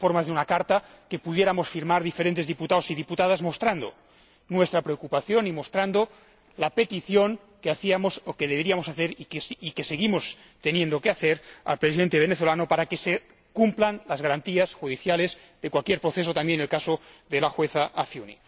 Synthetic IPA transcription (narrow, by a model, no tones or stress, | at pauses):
foɾmazðeunakaɾt̪a | ke̞puð̞je̞ɾamosfiɾmaɾðifeɾent̪e̞zðiput̪aosiðiput̪að̞azmo̞st̪ɾand̪o̞̰ | nwe̞st̪ɾapɾeokupaθjo̞nimo̞st̪ɾand̪o | lape̞t̪iθjo̞ŋ | keaθiamosokeð̞eβeɾiamo̞saθe̞ɾikesikeseɣimo̞s | t̪e̞nje̞nd̪o̞keaθeɾa̰lpɾesiðent̪eβeneθo̞lanopaɾakese | kumplanlazɣaɾant̪iasxuðiθjale̞z | ðekwalkjeɾpɾoθes̬ot̪ambjenelkasoðelaxweθaʔafjunḭ